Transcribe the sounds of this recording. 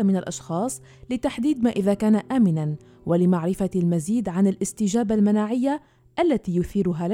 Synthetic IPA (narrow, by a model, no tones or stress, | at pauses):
amɪnalʔɑʃxɑːsˤ | lɪt̪aħd̪iːd̪maːʔɪðaːkaːnaʔaːmɪnan | wʔalɪmaʕɾɪfalmaziːd̪ʕanɪlʔɪst̪ɪʒaːbalmanaːʕɪjːa | ʔalːat̪iːjʊθiːɾʊɦal